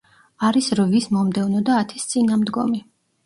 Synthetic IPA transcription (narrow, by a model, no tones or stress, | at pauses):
aɾisɾvismɔmd̪ɛvnɔd̪aːt̪ʰist̪sʼinamd̪ɡɔ̰mi